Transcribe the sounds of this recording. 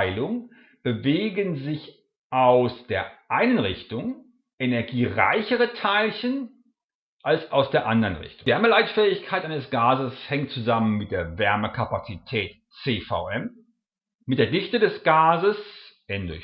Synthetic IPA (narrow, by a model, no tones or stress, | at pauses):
ɪlʊŋ | b̥əveːɡənzɪç | ʔaʊsd̥eːɐʔaɪnənʁɪçtʊŋ | ʔenɛɐɡiːʁa̰ɪçəʁətʰaɪlçən | ʔalsaʊsd̥eːɐʔandɐʁənʁɪ̰çtʊvɛɐməlaɪtfɛːɪçkʰaɪtʔaɪnəsɡ̥aːzəshɛŋtt͡suzamənmɪt̚d̥eːɐvɛɐməkʰapat͡sitʰɛːt | t͡seːfa̰ʊʔɛm | mɪtd̥eːɐdɪçtədɛsɡ̥aːzəsʔɛndʊ